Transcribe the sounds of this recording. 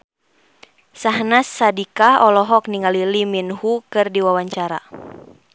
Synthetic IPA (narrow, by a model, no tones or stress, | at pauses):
saɦnasːadikaɔlɔɦɔk̚niŋaliliminhukɨrdiwawaɲt͡ʃaɾa̰